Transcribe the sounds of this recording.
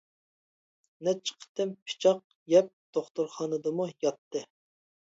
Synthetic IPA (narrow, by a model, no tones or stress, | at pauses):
nɛt͡ʃʰə̥qʰə̥t̪ɨmpʰɪ̥t͡ʃʰɑq̚ | jɛp̚d̪̥oχt̪uɾχɑːnɨd̪ɨmujɑt̪ːɨ